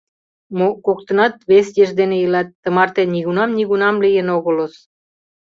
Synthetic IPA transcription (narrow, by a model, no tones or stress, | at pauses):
mokokt̪ɤ̆nɑt̪̚βesjeʒd̪enejəlɑt̪ːə̆mɑrt̪eniɣunɑmniɣunɑmlijenoɣə̆lŏs